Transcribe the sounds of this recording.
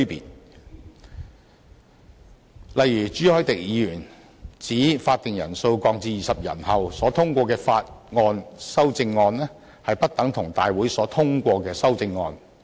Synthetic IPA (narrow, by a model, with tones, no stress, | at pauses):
pḭː˨t̚ | lɐ˨jɥyː˨˩t͡ʃyː˨˥hɔː˨˥jt̪ɪ˨k̚jiː˨˧˥jyː˨˩n | t͡siː˨˥faː˧t̚t̪ɪ˨ŋjɐ̰˨˩nso˧wkɔː˧k̚t͡siː˧jiː˨sɐ˨p̚jɐ̰˨˩nhɐ˨wsɔː˨˥t̪ʰʊ˥ŋkʷɔː˧kɛː˧faː˧t̚ŋɔː˧nsɐ˥wt͡sɪ˧ŋːɔː˧nlɛː˥ | hɐ˨jpɐ˥t̚t̪ɐ˨˥ŋt̪ʰʊ˨˩ŋt̪a̰ː˨jwuː˨˥jsɔː˨˥t̪ʰʊ˥ŋkʷɔː˧kɛː˧sɐ˥wt͡sɪ˧ŋːɔ̰ː˧n